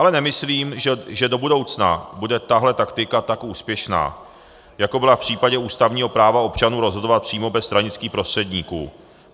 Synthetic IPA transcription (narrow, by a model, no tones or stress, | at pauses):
ʔalɛnɛmɪsliːmʒɛdo̞budo̞wt͡sna̰budɛt̪aɦlɛt̪akt̪ɪkat̪akʔuːspjɛʃna̰ː | jako̞bɪlafpr̝̥iːpaɟɛuːst̪avɲiːɦo̞pɾaːvao̞pt͡ʃanuːɾo̞zɦodovat̪̚pr̝̥iːmobɛst̪ɾaɲɪt͡skiːxpɾo̞st̪r̥ɛdɲiːkuː